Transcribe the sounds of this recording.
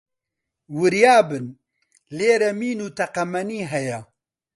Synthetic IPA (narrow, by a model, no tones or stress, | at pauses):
wɨɾjaːbɨn | leːɾɛmiːnuːt̪ʰɐqɐmɐniːɦɛjɛ